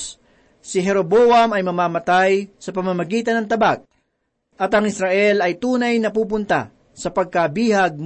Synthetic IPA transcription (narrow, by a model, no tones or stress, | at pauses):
sɪɦɛɾoboɐmɐjmɐmaːmɐt̪ajsɐpɐmamɐɡiːt̪ɐnɐŋt̪ɐbak̚ | ʔɐt̪ɐŋɪsɾɐʔɛlɐjt̪uːnɐjnɐpuːp̬ʊnt̪a̰ | sɐpɐɡ̚kabiːhɐɡ̚m